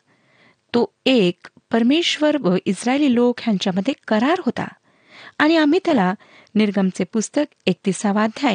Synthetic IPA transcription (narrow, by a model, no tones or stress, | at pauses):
t̪oek | pəɾmeʂʋəɾʋəʔisɾaeliːlokjaɲt͡ɕjaməd̪ʱːjekəɾaɾɦot̪a̰ | aɽ̃iam̤iːt̪jala | niɾɡəmt͡sepust̪əkek̚t̪isaʋad̪ʱjae